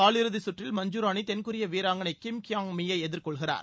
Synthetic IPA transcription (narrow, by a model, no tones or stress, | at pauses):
aːlɪɾɯðɪsʊʈrɪlmɐɲd͡ʒuːɾaːnit̪ɛnkɯɾɪjɐʋiːɾaːŋɡɐnɐɪkːɪmkɪjaːŋmɪjɐɪɛðɪɾkɔɭɣɪra̰ːɾ